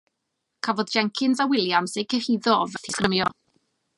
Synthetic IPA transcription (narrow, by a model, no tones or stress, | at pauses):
kʰavɔdd͡ʒɛŋkʰɪnsawɪlˠjamsekʰəhiðɔɔvɛθʰisɡ̥rəmjɔ